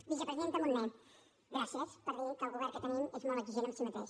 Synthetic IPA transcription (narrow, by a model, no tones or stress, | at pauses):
bisəpɾəziðent̪əmunne | ɣɾasjəspəɾðekəlˠɣuβɛɾkət̪ənimezmolˠəɡziʒenənsimət̪eʃ